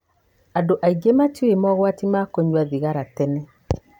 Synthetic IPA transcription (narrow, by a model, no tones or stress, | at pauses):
adoʔaiɡematiemɔɣwatimakoɲwaðiɣaɾatɛnɛ